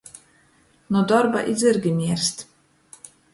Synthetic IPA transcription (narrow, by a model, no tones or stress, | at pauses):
nud̪ɔɾba̰ʔḭd̪zʲɨɾɡʲimʲiɛɾst̪